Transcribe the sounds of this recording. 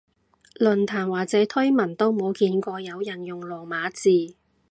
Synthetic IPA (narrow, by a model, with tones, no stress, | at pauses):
lɵ˨˩nt̪ʰaː˨˩nwaː˨˩k̚t͡sɛː˨˥t̪ʰɵ˥ɥmɐ˨˩nt̪o˥wmo˨˧wkiː˨˧nkʷɔː˧jɐ˨˧wjɐ˨˩njʊ˨ŋlɔː˨˩maː˨˧˥t͡siː˨